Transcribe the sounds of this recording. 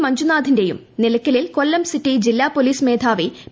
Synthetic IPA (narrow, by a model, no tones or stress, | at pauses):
mɐɲd͡ʑunaːd̪ʱinde̞jṵm | nilɐkːɐlilkolːɐmsitːid͡ʑilːaːpːoliːsmeːd̪ʱaːʋi